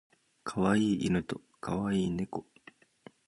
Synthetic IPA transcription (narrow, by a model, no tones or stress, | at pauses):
kʰaβaiːinɯ̟t̪o | kʰaβaiːne̞ko